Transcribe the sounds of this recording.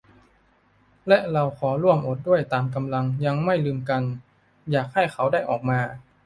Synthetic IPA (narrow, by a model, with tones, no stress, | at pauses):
lɛ˦˥ʔɾa˧wkʰɔː˩˦ɾu˥˩əmʔo˨˩t̪̚du˥˩əjt̪aː˧mk̬a˧mla˧ŋja˧ŋma˥˩jlɯː˧mka˧n | jaː˨˩k̚ha˥˩jxʰa˩˦˥wdaː˥˩jʔɔː˨˩k̚maː˧